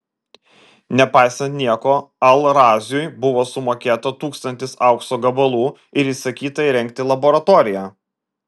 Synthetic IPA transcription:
nʲɛpɑɪsɐnt̪ʲnʲiɛkoːɐlˠɾɑːzʲʊjbʊʋoːsʊmoːkʲeːt̪ɐt̪uːkst̪ɐnʲt̪ʲɪsɑʊksoːɡɐbɐlˠuː | ɪɾiːsɐkʲiːt̪ɐɪɾʲɛŋʲk̚t̪ʲɪlˠɐboːɾɐt̪ɔːɾʲɪjæː

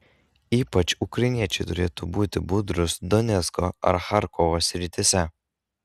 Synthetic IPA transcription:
iːpɐt͡ʃʊkɾɐɪnʲiɛt͡ʃʲɛɪt̪ʊɾʲeːt̪ubuːt̪ʲɪbʊd̪ɾʊsd̪ɔnʲɛt̪skoɐ̰ɾxaɾkʰɔʋosʲɾʲɪt̪ʲɪsʲɛ

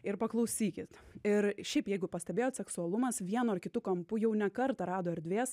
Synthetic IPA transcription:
ɪɾpɐklˠɐʊsʲiːkʲɪt̪ɪɾʃʲɛɪpjɛɪɡʊpɐsʲt̪ʲɛbeːjoːt̪sʲɛksʊɐlˠʊmɐsʋʲiɛnoɐrkʲɪt̪ukɐmpʊjɛʊnʲɛkɐɾt̪ɐɾɑːd̪oːɛɾʲd̪ʲʋʲeːs

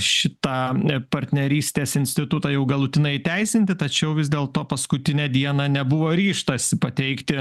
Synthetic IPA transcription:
ʃʲɪt̪ɑːpɐɾʲt̪ʲnʲɛɾʲiːsʲt̪ʲeːsɪnʲsʲt̪ʲɪt̪ʊt̪ɑjɛʊɡɐlˠʊt̪ʲɪnɐɪt̪ʲɛɪsʲɪnʲt̪ʲɪt̪ɐt͡ʃʲɛʊʋʲɪzʲd̪ʲeːlˠt̪oːpɐskʊt̪ʲɪnʲɛd̪ʲiɛnɑnʲɛbʊʋoːɾʲiːʃt̪ɐsʲɪpɐt̪ʲɛɪkt̪ʲɪ

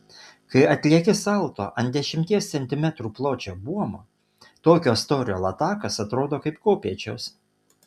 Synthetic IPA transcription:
kɐɪɐt̪ʲlʲiɛkʲɪsɑˑlˠt̪o̰ːʔɐnd̪d̪ʲɛʃʲɪmʲt̪ʲiɛst̪sʲɛnʲt̪ʲɪmʲɛt̪ɾuːplˠoːt͡ʃʲoːbuɔmoː | t̪oːkʲoːst̪oːɾʲɪjoːlˠɐt̪ɑːkɐsɐt̪ɾoːd̪oːkɐɪpkoːpʲiɛt͡ʃʲoːs

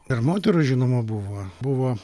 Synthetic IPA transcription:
ɪrmoːt̪ʲɛɾʊʒʲɪnoːmʊbuʋoːbuʋoː

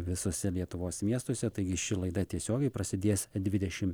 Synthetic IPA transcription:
ʋʲɪsoːsʲɛlʲiɛt̪ʊʋoːsmʲiɛst̪oːsʲɛt̪ɐɪɡʲɪʃʲɪlˠɐɪd̪ɐt̪ʲiɛsʲoːɡʲɛɪpɾɐsʲɪd̪ʲeːsd̪ʲʋʲɪd̪ʲɛʃʲɪm

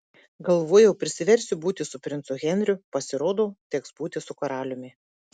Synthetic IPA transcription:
ɡɐlˠʋoːjɛʊpʲɾʲɪsʲɪʋʲɛɾʲsʲʊbuːt̪ʲɪsʊpʲɾʲɪnt̪sʊɣʲɛnʲɾʲʊpɐsʲɪɾoːd̪oːt̪ʲɛksbuːt̪ʲɪsʊkɐɾɑːlʲʊmʲɪ

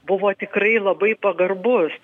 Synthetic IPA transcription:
bʊʋoːt̪ʲɪkrɐɪlˠɐbɐɪpɐɡɐrbʊs

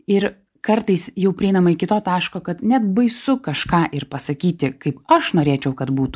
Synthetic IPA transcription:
ɪɾ | kɐɾt̪ɐɪsjɛʊpʲɾʲɛɪnɐmɐɪkʲɪt̪oːt̪ɑːʃkoːkɐt̪nʲɛt̪bɐɪsʊkɐʃkɑːʔɪɾpɐsɐkʲiːt̪ʲɪkɐɪpɐʃnoːɾʲeːt͡ʃʲɛʊkɐt̪buːt̪ʊ

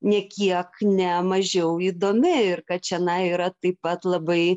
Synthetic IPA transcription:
nʲɛkʲiɛknʲɛmɐʒʲɛʊiːd̪oːmʲɪɪɾkɐt̪̚t͡ʃʲɛɐnɐiːɾɐt̪ɐɪpɐt̪lˠɐbɐɪ

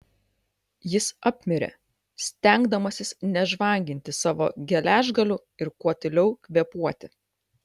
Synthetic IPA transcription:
jɪsɑːpʲmʲɪɾʲḛ | sʲt̪ʲæˑŋɡd̪ɐmɐsʲɪsnʲɛʒʋɐˑŋʲɡʲɪnʲt̪ʲɪsɑːʋo̰ːɡʲɛlʲæːʒɡɐlʲʊ | ɪɾkuɔt̪ʲɪlʲɛʊkʲʋʲɛpuɔt̪ʲɪ

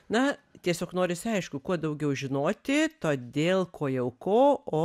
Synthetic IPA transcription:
nɐt̪ʲiɛsʲoːknoːɾʲɪsʲɐɪʃkʊkuɔd̪ɐʊɡʲɛʊʒʲɪnoːt̪ʲɪt̪oːd̪ʲeːlˠkʰoːjɛʊkoːoː

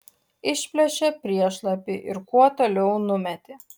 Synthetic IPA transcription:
ɪʃʲpʲlʲɛʃʲepʲɾʲiɛʃlˠɐpʲɪʔɪ̰ɾkuɔt̪oːlʲɛʊnʊmʲɛt̪ʲeː

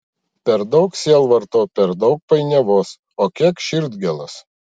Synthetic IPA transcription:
pʲɛɾd̪ɒʊksʲeːlˠʋɐɾt̪oːpʲɛɾd̪ɒʊk̚pɐɪnʲɛʋoːs | oːkʲiɛkʃʲɪɾd̪ʲɡʲɛlˠɐs

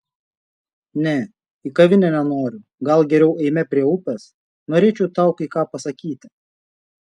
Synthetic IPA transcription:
nʲɛ | iːkɐʋʲɪnʲɛnʲɛnoːɾʲʊ | ɡɐlˠɡʲɛɾʲɛʊʔɛɪmʲɛpʲɾʲiɛʊpʲɛs | noːɾʲeːt͡ʃʲɛʊt̪ɑˑʊkikɑːpɐsɐkʲiːt̪ʲɪ̥

